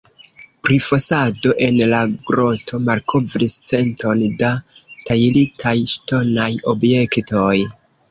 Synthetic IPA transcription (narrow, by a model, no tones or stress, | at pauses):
pɾifosado̞ʔe̞nlaɡɾo̞tʰo̞malkʰo̞vɾist͡se̞ntʰo̞ndatajilitʰajʃto̞najo̞bje̞ktʰo̞j